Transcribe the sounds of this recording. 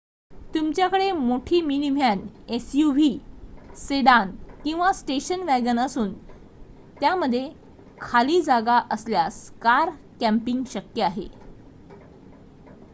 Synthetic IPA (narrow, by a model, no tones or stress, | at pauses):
t̪umt͡ɕjakəɽemoʈʰiːminim̤ʱjanesjuʋiːseɽankĩw̃ʋasʈeɕənʋæɡənəsuːn | t̪jaməd̪ʱːje | kʰaliːd͡zaɡaʔəsljaskaɾ | kæ̃mpiŋɡɕəkjəaɦḛ